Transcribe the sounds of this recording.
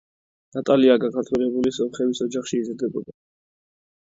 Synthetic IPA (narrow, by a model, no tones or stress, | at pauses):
nat̪ʼaliaɡakʰaɾt̪ʰwɛlɛbulisɔmχɛvisɔd͡ʒaχʃiːzɾd̪ɛbɔd̪a